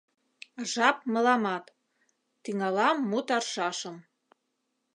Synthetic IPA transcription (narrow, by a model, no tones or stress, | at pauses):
ʒɑp̚mə̆lɑmɑt̪ː | iŋɑlɑmːut̪ɑrʃɑʃəm